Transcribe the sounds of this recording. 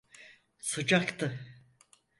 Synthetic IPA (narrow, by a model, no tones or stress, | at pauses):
sɯd͡ʒakt̪ʰɯ